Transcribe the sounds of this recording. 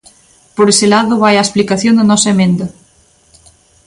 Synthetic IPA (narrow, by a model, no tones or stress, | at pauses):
poɾeselaðʊβajaesplikaθjond̪ɐnɔsemẽnd̪ɐ